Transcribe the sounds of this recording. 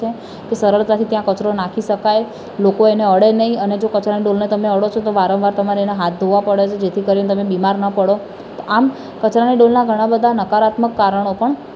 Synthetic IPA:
e | kesəɾəɭt̪at̪ʰit̪jãkət͡ʃɾonakʰiʃəkaj | lokoeneəɽenəɦĩəned͡ʒokət͡ʃɾaniɖolnet̪əmeəɽot͡ʃʰot̪oʋaɾə̃ʋʋaɾt̪əmaɾeeneɦat̪̚ʰd̪ʱoʋapəɽjet͡ʃʰed͡ʒet̪ʰikəɾionet̪əmebimaɾnəpəɽo | t̪oʔam | kət͡ʃɾaniɖolnaɡʱəɽ̃ãbəd̪ʱanəkaɾat̪məkːaɾəɳ̃opəɳ

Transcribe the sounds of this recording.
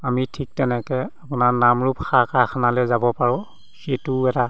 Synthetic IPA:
amitʰik̚tɛnɛkɛapʊnaɹnamɹupxakakʰanalɛzabɔpaɹɔ̃ | setuɛta

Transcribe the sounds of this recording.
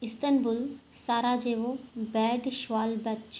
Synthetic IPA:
ɪst̪ənbʊl | saːɾad͡ʑeːʋobɛːɖʃʋaːlbɐt͡ʃ

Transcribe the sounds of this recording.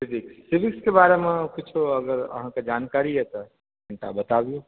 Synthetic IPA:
sɪbɪksːɪbɪkskebaɾemẽkʊt͡ʃʰoɐɡəɾə̰ɦãked͡ʒaːnkaɾiɦɛt̪ɔ | kəɳʈa̰bɐt̪aʋijũ

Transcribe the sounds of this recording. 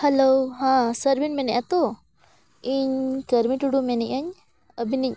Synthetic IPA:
hɛlowɦãsəɾbinmɛnɛʔat̪ɔ | iɲkəɾmiʈuɽumɛniɲəɲ | əbiniɲ

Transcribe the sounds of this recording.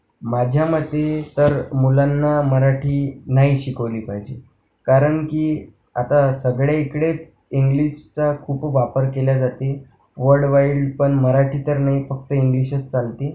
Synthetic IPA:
mad͡ʑʱjaməd̪ʱːet̪əɾmulanːaməɾaʈʰiːnaɦiɕikəʋliːpaɦid͡ʑe | kaɾəɳkiː | at̪asəɡɭjaikɽet͡s | iŋɡliɕt͡sakʰuːpʋapəɾkelad͡zat̪e | ʋəɾɽʋaiɭɖpəɳməɾaʈʰiːt̪əɾnaɦifək̚t̪əiŋɡliɕət͡st͡salt̪e

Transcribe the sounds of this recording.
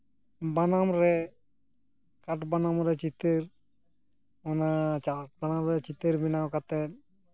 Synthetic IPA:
banamɾɛ | kaʈbanamɾɛt͡ʃit̪əɾ | ɔnat͡ʃaʈbanamɾɛt͡ʃit̪əɾbinawkat̪ɛt̪̚

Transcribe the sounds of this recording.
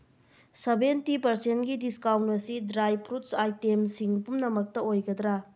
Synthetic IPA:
sebentipɐɾsentɡidiskawntɐɾsidɾajpʰɾutsajtemsiŋpumnɐmɐk̚tɐojɡɐd̪ɾa

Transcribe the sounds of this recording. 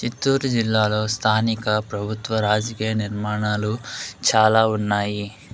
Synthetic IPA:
t͡ʃit̪ːuːɾd͡ʒilːaːlo̞ːst̪ʰaːnikɐpɾɐbʱut̪ʋɐɾaːd͡ʒɐkiːjɐniɾmaːɳaːlut͡ʃaːlaːunːaːji

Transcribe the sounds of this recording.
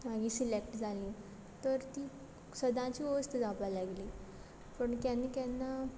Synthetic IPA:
maɡiːsilekʈd͡zʱaliː | t̪əɾt̪iː | səd̪ʱãt͡ɕiːost̪əd͡zapajlaɡliː | pəɳkjanikɛnːa

